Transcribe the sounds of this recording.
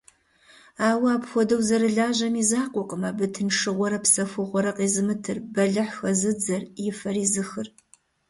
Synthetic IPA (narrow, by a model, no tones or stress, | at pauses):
aːwaːpxʷɔdɐwzɐɾɨɮaːʑɐmiːzaːqʷʼɔqʼəmɐbɨtʰɨnʂɨʁʷɔɾɐpsɐfʷɨʁʷɔɾɐqʼeːzɨmɨtʰɨrbɐɮɨħxɐzɨd͡zɐrjɪfɐɾiːzɨxɨr